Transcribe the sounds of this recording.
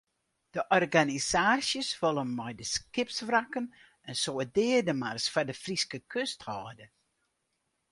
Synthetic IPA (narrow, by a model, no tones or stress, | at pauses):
d̥əʔɔrɡanisaːsjəsʋɔlˠənmɔjdəskɪpsfrakən | ɛnsoədɪːərdəmarsfardəfriskəkʰøsthɔːdə